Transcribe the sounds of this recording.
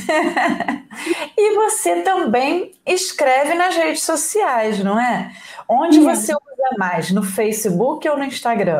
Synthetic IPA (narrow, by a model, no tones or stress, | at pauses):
ɪvoset̪ɐ̃mbẽj̃ɪskɾɛvɪnɐzhed͡ʒɪsosiajznɐ̃w̃ɛõd͡ʒɪvoseuzɐmajznʊfejsɪbukɪownʊĩʃt̪aɡɾɐ̃